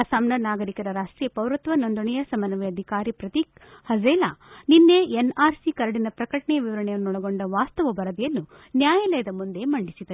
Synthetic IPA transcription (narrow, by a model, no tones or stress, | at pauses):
ɐsaːmnɐnaːɡɐɾikɐɾɐɾaːʂʈɾipɐwɾɐt̪ʋɐnond̪uɳɐjɐsɐmɐnɐʋɛɐd̪ʱikaːɾipɾɐt̪ikhɐd͡ʒeːla̰ːninːeenaːɾsikɐɾɐɽinɐpɾɐkɐʈɐɳɛjɐʋiʋɐɾɐɳɛjɐnːuɔɭɐɡo̞ɳɖɐʋaːst̪ɐʋɐbɐɾɐd̪ijɐnːu | njaːjɐlɐjɐd̪ɐmund̪e̞mɐɳɖisid̪ɐɾe